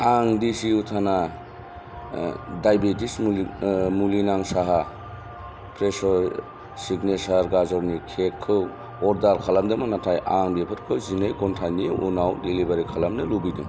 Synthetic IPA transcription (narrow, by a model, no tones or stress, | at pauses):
aŋdisiutʰana | dajbetis | mulinaŋsaɦa | pʰɾesɔɾ | siɡnesaɾɡazaɾnikʰekʰːɯ | ɔɾdaɾkʰalamdɯmanatʰajʔaŋbepʰɯɾkʰɯwzinajkɔntʰajnijṵnawdelibaɾikʰalamnɯlubidṵ